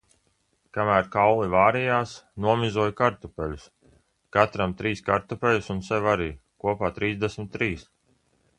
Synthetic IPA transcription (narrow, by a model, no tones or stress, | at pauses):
kamæːɾkawlˠivaːɾɛjaːsnuɔmizuɔjkaɾt̪upɛlus | kat̪ɾamt̪ɾiːskaɾt̪upʲɛlusunsɛvaɾiːkuɔpaːt̪ɾiːzd̪esmit̪ːɾiːs